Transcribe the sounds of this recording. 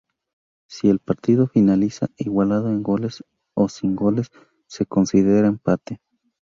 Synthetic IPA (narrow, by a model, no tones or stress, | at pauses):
sie̞lpaɾt̪iðo̞finalisa̰iɣwalaðo̞eŋɡo̞le̞s | o̞siŋɡo̞le̞sː | e̞ko̞nsiðe̞ɾaempat̪e